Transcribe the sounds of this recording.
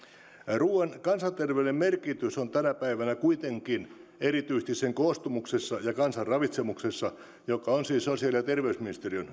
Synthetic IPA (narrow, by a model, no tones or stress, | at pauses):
ruːenkɑnsɑnt̪erʋelemmerkit̪ysont̪ænæpæiʋænækuit̪eŋkinerit̪yist̪isseŋkoːst̪umuksesːɑjɑkɑnsɑrrɑʋit̪semuksesːɑ | jokɑonsiːssosiɑljɑt̪erʋeysminist̪erion